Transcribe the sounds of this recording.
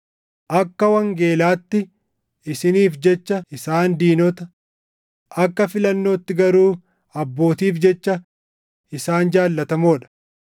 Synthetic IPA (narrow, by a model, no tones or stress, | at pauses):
ʔɐkːɐwɐŋɡe̞ːlaːt̪ːɪ | ɪsɪniːfd͡ʒɛt͡ʃːɐɪsaːnd̪iːnɔt̪ɐ | ʔɐkːɐfɪlɐnːo̞ːt̪ːɪɡɐɾuː | ɐbːo̞ːt̪iːfd͡ʒɛt͡ʃːɐ | ɪsaːnd͡ʒaːlːɐt̪ɐmoːᶑɐ̥